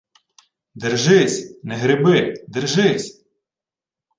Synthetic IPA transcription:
d̪ɪrʒɪsʲnɛɦɾɪbɪd̪ɪrʒɪsʲ

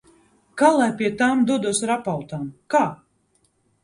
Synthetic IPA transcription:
kaːlˠajpʲiɛt̪aːmd̪uɔd̪uɔsɾapawt̪aːmkaː

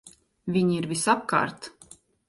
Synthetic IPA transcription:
vʲiɲiɾvʲisap̚ka̰ːɾt̪

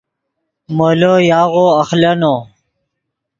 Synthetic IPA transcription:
molojaːɣoɐxlɐno

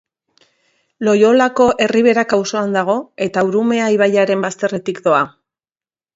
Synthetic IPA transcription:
lo̞jo̞lako̞ʔe̞riβ̞e̞ɾakawso̞and̪aɣ̞o̞e̞t̪auɾume̞aiβ̞ajaɾe̞mbast̪e̞re̞t̪ikd̪o̞a

